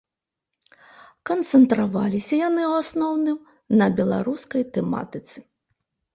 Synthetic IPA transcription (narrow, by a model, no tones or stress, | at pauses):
kɐnt̪sɛnt̪ɾavalʲisʲɐjanɨuwasnɔwnɨm | nɐbʲɛlˠa̰ɾuskɐjt̪ɛma̰t̪ɨt̪sɨ̥